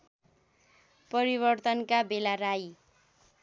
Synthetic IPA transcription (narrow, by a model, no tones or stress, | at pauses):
pʌɾibʌrt̪ʌnkabelaɾaj